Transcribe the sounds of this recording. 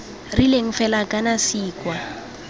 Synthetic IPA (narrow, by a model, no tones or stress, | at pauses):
rileŋ̩fɛlakʼanasiːkʼwa